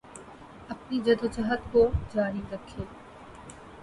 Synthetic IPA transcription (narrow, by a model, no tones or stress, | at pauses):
ɐpnid͡ʒɐd̪od͡ʒəɦət̪kod͡ʒaːɾiɾɐkʰːeː